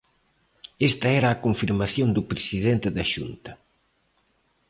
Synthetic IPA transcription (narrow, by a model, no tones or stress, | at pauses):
est̪ɐɛɾɐːkoɱfiɾmaθjond̪upɾesiðent̪ɪðɐʃunt̪ɐ